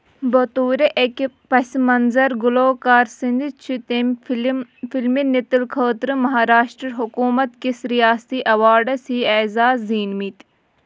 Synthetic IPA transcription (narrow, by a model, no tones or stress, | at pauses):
bɐt̪uːɾeʔekpɐsmɐnzɐɾɡʊloːkaːɾsind̪it͡ʃʰit̪e | filminit̪ilkʰəːt̪ɾɨmɐɦaːɾaːʃʈɾɐɾɦukuːmɐt̪kisɾijaːst̪iːʔɐʋaːɖɐsiːɛːzaːzːiːnmit̪